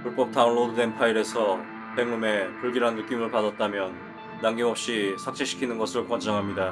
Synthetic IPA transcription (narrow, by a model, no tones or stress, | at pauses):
puɭp͈ʌk̚t͈ʰaʌnɭodude̞npʰaiɾe̞sʰʌ | pe̞ŋmume̞puɭɡiɾɦannɯk͈imɯɭpadat̚t͈amjʌnː | aŋɡimɦʌp̚ɕ͈isʰak̚t͡ɕ͈eɕʰi̥kʰinɯnɡʌsʰɯɭkwʌnd͡ʑʌŋɦamɲida